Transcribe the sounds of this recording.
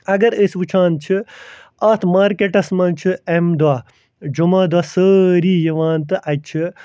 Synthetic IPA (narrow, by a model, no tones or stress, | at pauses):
ɐɡɐɾəsʋɨt͡ʃʰãːnt͡ʃʰi | ɐt̪ʰmaːɾkeʈɐsmɐnt͡ʃʰiemd̪waː | d͡ʒumaːd̪waːsəːɾiːjɐʋaːnt̪ɨʔɐt͡ʃʰi